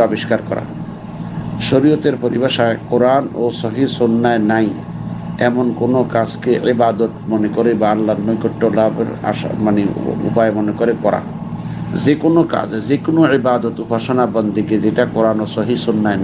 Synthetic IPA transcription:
ɔbiʃkaɾkɔ̰ɾa̰ | ʃoɾijot̪eɾpoɾibaʃaekoɾanosɔɦisonːaenaj | ɛmonkonokad͡ʑkeʔibad̪ot̪monekoɾebaalːaɾnojkoʈːolabḛɾa̰ʃa̰maneṵpaemonekoɾekɔɾa̰ | d͡ʑekonoka̰d͡ʑd͡ʑekonoibad̪ot̪upaʃonabɔnd̪ʱiked͡ʑeʈakoɾanosɔɦisonːaen

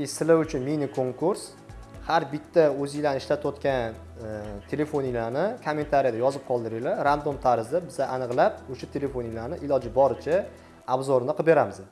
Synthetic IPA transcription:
ɪsɪlaʊt͡ʃʰʊnminikʰo̞ŋkʰʊɾs | haɾbɪt̪ʰːaɵzɪlanɪʃlat̪ot̪kʲan | t̪ʰele̞fonilaɾnɪkʰome̞nt̪ʰaɾijad̪ajɒzɪp̚qʰɒlˠd̪ɪɾɪlaɾand̪omt̪ʰaɾɪzd̪abɪzaʔanɨqlˠap̚ʊʃat̪ʰe̞le̞fo̞nilaɾnɪʔɪlɒd͡ʒɪbɒɾɪt͡ʃʰa | abzɒɾɪnɨqʰɨbe̞ɾamɪz

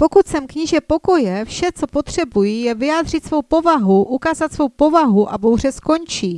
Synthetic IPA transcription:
po̞kut̪sɛmkɲiʒɛpo̞ko̞jɛfʃɛt͡so̞pot̪r̥ɛbujijɛvɪjaːd̪r̝ɪt̪svo̞wpo̞vaɦuʔukaːzat̪svo̞wpo̞vaɦuʔabowr̝ɛsko̞nt͡ʃiː

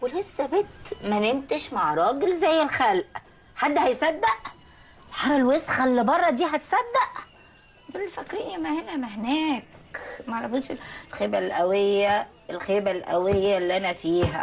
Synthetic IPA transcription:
welesːæbet̪mænent̪eʃmaʕɾˤɑːɡelzæjːelxælʔ | ħad̪ːhæjsæd̪ːæʔ | ħɑɾˤɑlwesxælːebɑrˤːɑd̪iːɦæt̪sæd̪ːæʔ | belːfækːɾiːnʔæmːæhenæmæhenæːkmæʕɑɾˤːɑfut̪ʃelxeːbælʔæwejːæ | elxeːbælʔæ̰wejːælːiʔænæfiːɦæ̰

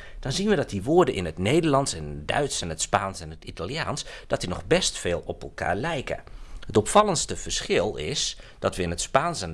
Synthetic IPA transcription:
d̥ɔnzinʋədɑt̚diʋoːɹdəʔɪ̰nətneːdəɹlɑntsɛndœ̰ɥtsənətspaːnsɛnɦətitalˠja̰ːnsd̥ɑtdinɔxbɛstfeːlˠɔpəlˠka̰ːɹlɛjkə̰hətɔpfɑlˠənstəv̥əɹsxɪlˠɪsd̥ɑtʋəɪnɦətspaːnsɛn

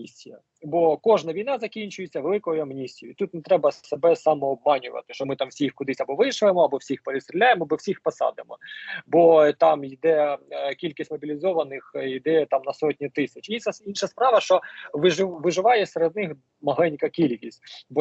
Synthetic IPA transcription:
isʲijɐ̰ | bɔkɔʒnɐʋʲijnɑzɐkʲinʲt͡ʃʊjet͡sʲːɐʋelˠɪkɔjʊɐmnʲisʲijʊit̪ut̪nɛt̪ɾɛbɐsebɛsɑmɔːb̚mɑnʲʊʋɐ̰t̪ɪ̥ʃt͡ʃɔmɪt̪ɑmwsʲixkʊd̪ɪsʲɐbɔʋɪʃʊʋemɔɐbɔwsʲixpeɾʲɪt̪st̪ɾʲɪlʲajemɔbɔwsʲixpɐsɑ̰d̪ɪmɔ̰bɔt̪ɑmid̪ɛkʲilʲkʲisʲtʲmɔbʲilʲɪzɔʋɐnɪxid̪ɛt̪ɑmnɐsɔtʲnʲit̪ɪsʲɐt͡ʃiɐinʃɐspɾɑʋɐʃt͡ʃɔʋɪʋɪʒɪʋɑjɛseɾed̪nɪx | mɐɦlˠɛnʲkɐkʲilʲkʲisʲtʲbɔ

